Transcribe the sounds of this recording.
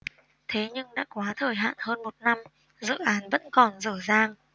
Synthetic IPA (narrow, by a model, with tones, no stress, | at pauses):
t̪ʰe˨˦ɲɨ˧ŋɗa̰ː˧˥kwaː˨˦t̪ʰəː˨˩jɦa̰ː˧˨nhəː˧nmo˨˩t̚na˧m | zɨ̰˧˨ʔaː˨˦nvə̰˧˥nkɔ˨˩nzəː˧˩zaː˧ŋ